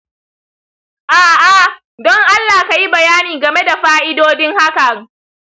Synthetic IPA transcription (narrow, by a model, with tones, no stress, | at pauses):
ʔaː˨ʔa˨ | dɔ˦ŋʔa˦lːaː˨ka˨ji˦bɐ˨jaː˦niː˨ɡɐ˨me˦da˨ɸaː˦ʔɪ˦doː˦dɪ˦ŋha˦ka˨ŋ